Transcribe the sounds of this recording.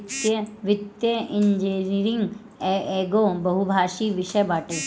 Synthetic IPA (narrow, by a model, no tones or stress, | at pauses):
t̪jʋɪt̪jəɪ̃ɲd͡ʒeniɾɪ̃ŋɡ | eːɡõːbɐɦubʱaːʃiːʋɪʃəjbaːʈe